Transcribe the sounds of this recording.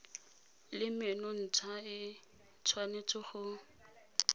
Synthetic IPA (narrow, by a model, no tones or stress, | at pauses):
lɪmenɔn̩t͡sʰaɪ | t͡sʰwanet͡sʰʼɔχʊ